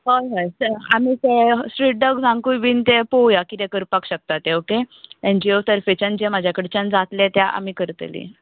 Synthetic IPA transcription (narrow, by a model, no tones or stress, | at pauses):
ɦɔjɦəjsəamiːt̪esʈɾiʈ̚ɖəɡsãŋkũjʋiːnt̪epojakit̪ɛkəɾpakɕək̚t̪at̪eokeend͡ʑiosəɾfet͡ɕand͡ʑemad͡ʑʱjakəɽet͡ɕənd͡zat̪lẽt̪jaʔa̰miːkəɾt̪ə̰lḭ